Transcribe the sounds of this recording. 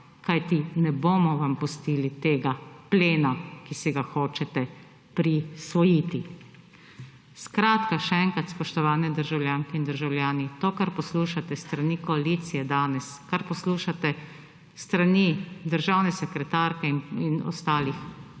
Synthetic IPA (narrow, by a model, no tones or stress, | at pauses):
kajt̪inɛboːmɔʋampust̪iːlit̪eːɡapleːnakisiɡaxoːt͡ʃɛt̪ɛ | pɾisʋɔjiːt̪i | skɾaːt̪kaʃɛɛŋkɾat̪spɔʃt̪ɔʋaːnɛd̪əɾʒawljaːŋkɛind̪əɾʒawljaːnit̪oːkaɾpɔsluːʃat̪ɛst̪ɾanikɔaliːt̪sijɛd̪aːnɛskaɾpɔsluːʃat̪ɛ | st̪ɾanid̪əɾʒawnɛsɛkɾɛt̪aɾkɛninɔ̰st̪aːlix